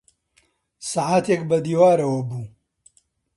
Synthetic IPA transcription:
saːʕaːt̪ʰekbɐd̪iːwaːɾɐwɐbuː

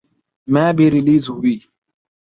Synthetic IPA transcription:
maːbɪɾɪliːzwiː

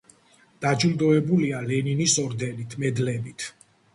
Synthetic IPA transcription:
d̪̥ad͡ʒuld̪ɔɛbulialɛninisɔɾd̪ɛnit̪ʰmɛd̪lɛbit̪ʰ

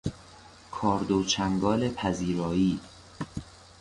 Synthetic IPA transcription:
kʰɒːɾd̪ot͡ʃʰæŋɡɒːlepʰæziːɾɒːiː

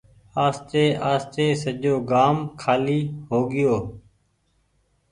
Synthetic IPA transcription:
aːst̪eːʔaːst̪eːsəd͡ʒoːɡaːmkʰaːliːɦoːɡɪjoː

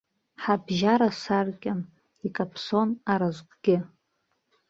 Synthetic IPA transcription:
ħabʒaɾasarkʲʼɪn | ikʼapʰso̞naɾazʷqʼɡ̥ʲɪ

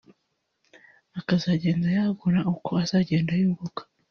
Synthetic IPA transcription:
akazaɟe̞ːndajaɡuɾaukʰo̞azaːɟe̞ːndajuːɡukḁ

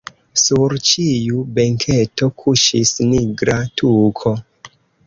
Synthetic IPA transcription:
suɾt͡ʃijubeŋkʰeto̞kʰuʃisniɡɾatʰukʰo̞

